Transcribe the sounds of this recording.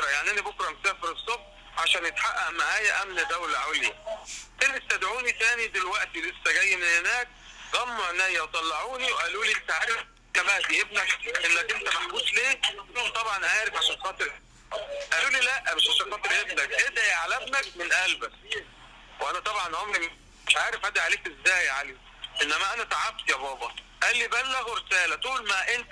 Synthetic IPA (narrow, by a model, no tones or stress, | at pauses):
ɾɑjaʕniʔænæbokɾˤɑmesæːfeɾesˤːobħ | ʕaʃæːnjet̪ħaʔːæʔmaʕæːjæʔæmnæd̪æwelʕawlik̪ænest̪æd̪ʕuːnit̪æːnid̪elwæʔt̪ilesːæɡæjːemenhenæːk̚ | ɣæmːoʔenæjːæt̪ˤɑlːɑʕuːniwʔæluːlint̪æʕaːɾef | kæbæʔd̪iʔebnækʔenːækʔent̪æbæħbuːʃleːmt̪ˤɑbʕɑnʔaːɾefʕaʃænxɑːt̪ˤɾ | ʔæluːliːlæʔːæmeʃʕaʃæɑːt̪ˤɾʔebnækʔed̪æʕalæbnækmenʔælbæk | wʔænæt̪ˤɑbʕɑnhomɾim | meʃʕaːɾefʔæd̪iʕaleːkʔezːæːjʕaleː | ʔenːæmæʔænæt̪aʕab̚t̪ijæbɑːbɑ | ʔælːibænːæɣweɾesæːlæt̪uːlmæʔent̪